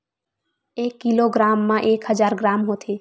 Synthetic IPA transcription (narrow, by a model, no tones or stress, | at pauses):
eːkːiloɡɾaːmːãʔeːkɦəd͡ʒaːɾɡɾaːmɦot̪ʰe